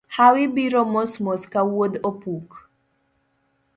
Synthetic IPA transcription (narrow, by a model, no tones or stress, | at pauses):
hawibiɾɔmɔsmɔskawod̪opuk